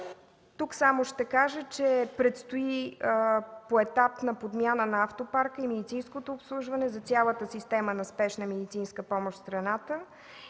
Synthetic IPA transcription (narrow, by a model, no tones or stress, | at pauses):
t̪uksamoʃt̪ɛkaʒət͡ʃɛpɾɛt̪st̪oi | poɛt̪apnɐpod̪mʲjanənɐaft̪opaɾkəimɛd̪it̪sinskot̪oːpslˠuʒvɐnɛzɐt̪sʲjalˠət̪əsist̪ɛmənɐspɛʃnəmɛd̪it̪sinskəpɔmoʃt̪st̪ɾɐnat̪ə